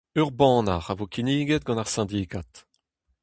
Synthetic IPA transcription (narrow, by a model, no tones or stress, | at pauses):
œʁbɑ̃ːnaʁavokiniːɡɛt̪̚ɡɑ̃naʁsɛ̃d̪ikat̪